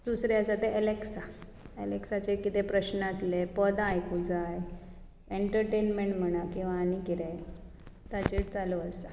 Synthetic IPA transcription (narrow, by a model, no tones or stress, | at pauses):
d̪usɾjasat̪eʔeleksa | eleksat͡sekit̪epɾəɕnəəslepəd̪ajkud͡zaj | eɳʈəɾʈenmeɳʈm̤əɽ̃akĩw̃ʋaːnikiɾej | t̪at͡ɕeʈt͡saloəst͡sa